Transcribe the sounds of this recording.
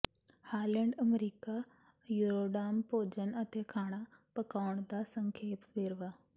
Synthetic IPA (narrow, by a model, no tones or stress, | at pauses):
haːlẽɳɖɐmɾiːka | juːɾoːɖaːmpoːd͡ʑənɐt̪ekʰaːɽ̃apɐkaːɽ̃d̪asɐ̃ŋkʰeːpʋeːɾʋaː